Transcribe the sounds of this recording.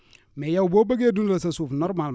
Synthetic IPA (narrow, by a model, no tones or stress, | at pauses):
mɛjawboːbaɡedunɾasasuːfnɔɾmal